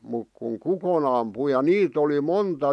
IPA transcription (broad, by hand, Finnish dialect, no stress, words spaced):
muk kuŋ kukon ɑmpu jɑ niːt oli montɑ